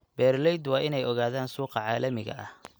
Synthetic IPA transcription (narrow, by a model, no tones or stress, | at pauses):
bɛːrlɛjd̪wɑːʔɪnɛjɔɣaːðaːnsuːqɑʕɑːlɐmɪɣɐ̰ʔɐh